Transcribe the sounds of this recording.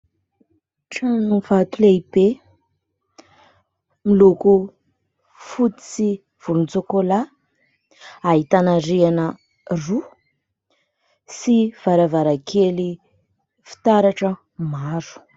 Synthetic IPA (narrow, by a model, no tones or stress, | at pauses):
ʈ͡ʂanunvat̪uleibe | miluku | fut̪i̥si | v̥ulunt͡sokola | aɦit̪anaɾianə | ru | siv̥aɾavaɾakʰeli | fi̥t̪aɾaʈ͡ʂə | maɾu̥